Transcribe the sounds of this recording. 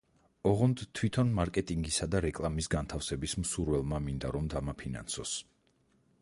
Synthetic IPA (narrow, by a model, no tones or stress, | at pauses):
ɔʁɔnd̪t̪ʰwit̪ʰɔnmaɾkʼɛt̪ʼiŋɡisad̪aɾɛkʼlˠamisɡant̪ʰafsɛbismsuɾvɛlˠmamind̪aɾɔmd̪amapʰina̰nsɔs